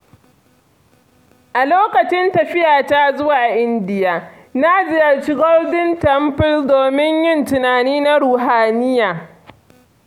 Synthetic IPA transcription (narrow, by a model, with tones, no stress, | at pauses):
ʔa˨loː˦kɐ˨t͡ʃɪ˦ntɐ˨ɸɪ˦jaː˨taː˦zʊ˦waː˨ʔɪ˦ndɪ˨jaː˨ | na˦zɪ˦jɐ˨rt͡ʃɪi˦ɡɔ˦rdɪ˦ntɐ˨˦mɸɪ˦ldoː˨mɪ˦ɲjɪ˦ntʊ˨naː˨niː˦na˦ɽuː˨ɦaː˨nɪ˦jaː˨